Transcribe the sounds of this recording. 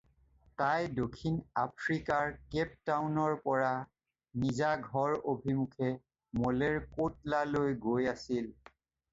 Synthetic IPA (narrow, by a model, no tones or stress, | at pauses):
tajdokʰːinapʰɹikaɹkɛp̚tawnɔɹpɔɹa | nizaɡʱɔɹobʱimukʰɛ | mɔleɹkotlalojɡojasil